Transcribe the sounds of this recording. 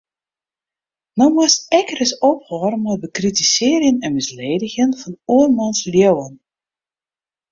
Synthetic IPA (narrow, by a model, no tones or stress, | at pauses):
nɔmasɛkərəsɔpχɔrmɔbəkritisɪːɾjənɛnmɪsleːdəɣənfɔnuərmɑnsljowən